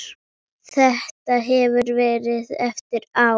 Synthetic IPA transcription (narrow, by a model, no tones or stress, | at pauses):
θɛht̪aɦɛvʏɾvɛːɾɪðɛft̪ɪɾa